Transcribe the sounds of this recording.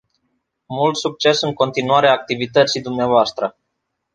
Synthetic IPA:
mult̪suk̚t͡ʃe̞sɨŋko̞nt̪inuaɾeaːk̚t̪ivit̪ət̪sid̪umneavoast̪ɾə

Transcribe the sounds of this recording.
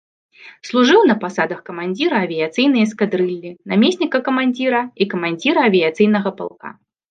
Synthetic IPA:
slˠuʐɨwnɐpasad̪ɐxkɐmanʲd͡zʲiɾɐːvʲijat̪sɨjnɐjɐskad̪ɾɨlʲːɨnamʲesʲnʲikɐkɐmanʲd͡zʲiɾɐikɐmanʲd͡zʲiɾɐːvʲijat̪sɨjn̪ɐɣɐpa̰lˠka̰

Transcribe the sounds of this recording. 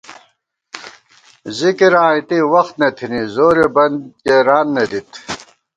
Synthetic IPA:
zikiɾãːit̪iwɐxt̪nɐt̪ʰinizoːɾebɐnd̪keɾaːnːed̪it̪

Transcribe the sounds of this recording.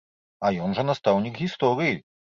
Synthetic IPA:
ajɔnʐɛnast̪awɲʲiɡɣʲist̪ɔɾʲiji

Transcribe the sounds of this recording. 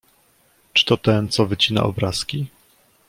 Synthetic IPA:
t͡ʂɘ̥t̪ɔt̪ɛnt̪sɔvɘt͡ɕina̰ʔɔ̰bɾaskʲi

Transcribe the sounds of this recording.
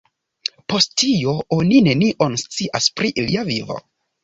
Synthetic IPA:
po̞sttio̞onine̞niʔonst͡siʔaspɾiʔliavivo̞̰

